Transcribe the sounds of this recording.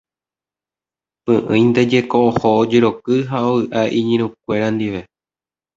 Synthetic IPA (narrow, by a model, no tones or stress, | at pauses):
pɨ̃ʔɨ̰̃j̃nd̪e̞d͡ʒe̞koʔohood͡ʒe̞ɾo̞kɨɦaoɨʔaʔiɲĩɾ̃ũk̚ʷe̞ɾand̪iʋe̞